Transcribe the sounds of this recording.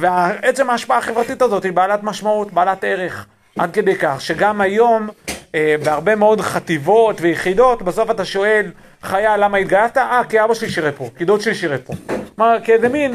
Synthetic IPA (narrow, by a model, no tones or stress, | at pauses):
veae̞t͡se̞maːʃpaaχe̞vʁat̪itazo̞thibaːlatmaʃmautbaalat̪e̞ʁe̞χ | ʔad̪̚ke̞d̪ejkaχʃe̞ɡamajo̞mebeaʁbe̞meo̞dχat̪ivo̞t̪vejeχido̞tbeso̞fataʃo̞e̞l | χajalamait̪ɡalavt̪aʔakiaʁbaʃeliʃiʁepo̞kidotʃeliʃiʁepo̞maʁkezemin